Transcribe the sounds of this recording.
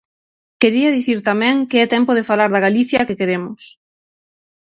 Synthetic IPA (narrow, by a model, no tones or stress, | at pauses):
keɾiɐðiθiɾt̪amɛ̃ŋkeɛt̪ɛmpoð̞efalaɾðaɣ̞aliθjakekeɾemʊs